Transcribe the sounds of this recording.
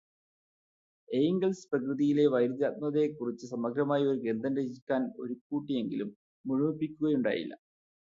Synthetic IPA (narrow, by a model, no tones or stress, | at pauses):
e̞jŋɡɐlsprɐkrɨðijile̞ʋɐjɾd̪aːt̪̚mɐðe̞kːurit͡ɕːɨsɐmɐɡɾɐmaːjio̞ɾuɡe̞nd̪ʱɐnɾeɕikʲːaːno̞̰ɾukːuːʈːije̞ŋɡilumː | uɻumipːikʲːuɣɐjuɳɖa̰ːjḭlːɐ̰